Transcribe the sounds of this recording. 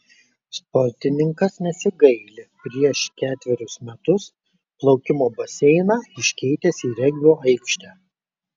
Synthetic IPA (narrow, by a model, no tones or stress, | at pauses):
spɔɾʲt̪ʲɪnʲɪŋkɐsnʲɛsʲɪɡɐɪlʲɪpʲɾʲiɛʃkʲæːt̪ʲʋʲɛɾʲʊsmʲɛt̪ʊs | plˠɒʊkʲɪmoːbɐsʲɛɪnɑːɪʃʲkʲɛɪt̪ʲɛsiːɾʲɛɡʲʋʲoːʔɐɪkʃʲt̪ʲæː